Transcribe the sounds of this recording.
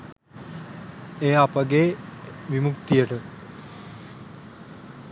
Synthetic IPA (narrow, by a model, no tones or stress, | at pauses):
eːapəɡeʋimukt̪ijəʈə